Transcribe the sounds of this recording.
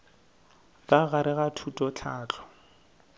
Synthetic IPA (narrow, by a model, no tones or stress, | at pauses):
kʼaɣaɾɪɣatʰutʼɔt͡ɬʰaːt͡ɬʰʼɔ̥